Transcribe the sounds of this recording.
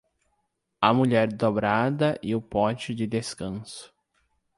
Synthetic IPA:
ɐmuʎɛɾd̪obɾad̪ɐʔɪʊpɔ̃t͡ʃɪd͡ʒɪd̪eskɐ̃sʊ̥

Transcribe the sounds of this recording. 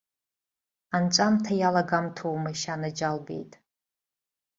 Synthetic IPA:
ant͡ʃʷʼamtʰajalaɡamtʰowmajʃanad͡ʒalbḛjtʼ

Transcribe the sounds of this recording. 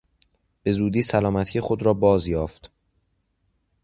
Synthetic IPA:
b̥e̞zuːd̪iːsælɒːmæt̪ʰiːjexo̞d̪ɾɒːbɒːzjɒːft̪

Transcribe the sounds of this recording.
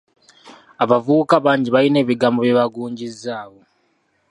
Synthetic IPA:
aβavuukaβaːɲɟiβaɾine̞ːβiɡaːmboβjeβaɡuːɲɟizaːβo̞

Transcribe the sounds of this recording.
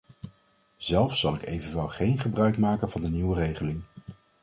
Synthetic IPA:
z̥ɛlˠfsɑlˠɪkḛjvənʋɛlˠχejnχəbrœɥkmaːkənvɑndəniwərejχəlɪŋ

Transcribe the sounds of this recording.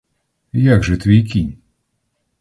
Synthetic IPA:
jaɡʐɨt̪vʲijkʲi

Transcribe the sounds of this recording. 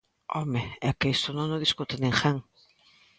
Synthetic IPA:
ɔmeɛkeest̪ʊnõŋnoðiskut̪ɪnẽŋxaŋ

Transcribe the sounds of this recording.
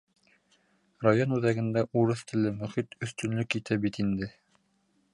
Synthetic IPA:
rajonʉðæɡɘ̆nd̪æʔuɾɤθt̪ʰɘ̆lɘmɵ̆χit̪ɵ̆θt̪ɵ̆nlɵkit̪ʰæbit̪ind̪ɘ

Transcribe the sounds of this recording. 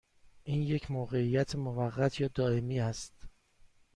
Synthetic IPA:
ʔiːnje̞cʰmoːɣe̞ijæt̪ʰemovæɢːæt̪ʰjɒːd̪ɒːe̞miːæst̪

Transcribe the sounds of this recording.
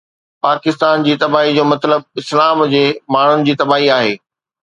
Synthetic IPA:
paːkɪst̪aːnd͡ʑiːt̪ɐbaːɦid͡ʑoːmɐt̪ləb̚ɪslaːmd͡ʑeːmaːɳ̤ʊnɪ̆d͡ʑiːt̪ɐbaːɦiaːɦeː

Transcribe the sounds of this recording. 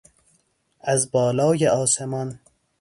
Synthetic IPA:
æzbɒːlɒːjeʔɒːsemɒn

